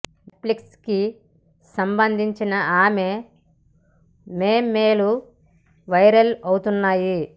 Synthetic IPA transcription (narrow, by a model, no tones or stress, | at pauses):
plikski | sɐmbɐnd̪ʱiɲt͡ʃinɐaːme | meːmːeːlu | ʋɐjɾɐlɐwt̪unːaːji